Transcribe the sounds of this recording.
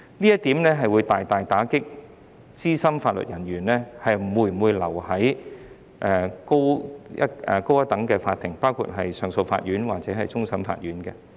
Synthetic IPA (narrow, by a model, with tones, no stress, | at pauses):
liː˥jɐ˥t̪iː˨˥mnɛː˥ɦɐ˨jwu˨˧jt̪aː˨jt̪aː˨jt̪aː˨˥kɪ˥k̚ | t͡siː˥sɐ˥mfaː˧t̚lɵ̰˨t̚jɐ˨˩nɥyː˨˩nlɛː˥hɐ˨jm̩˨˩wuː˧j̩˩wu˨˧jlɐ˨˩whɐ˨˥j | ʔɛː˨˧ko˥wjɐ̰˥ɛ̰˧ko˥wɐ˥t̪ɐ˨˥ŋkɛː˧faː˧t̪ʰːɪ˨˩ŋpaː˥wkʰṵ˧t̚ɦɐ˨jsœː˨˧ŋso˧wfa̰ː˧t̚ɥyː˨˥nwaː˨k̚t͡sɛː˨˥ɦɐ˨jt͡sʊ˥ŋsɐ˥mfa̰ː˧t̚ɥyː˨˥nkɛ˧